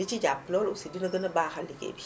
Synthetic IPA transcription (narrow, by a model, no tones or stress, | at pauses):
lit͡ʃid͡ʒapːlɔːlusidinɐɡɐnɐbaːxɐlːikḛːbi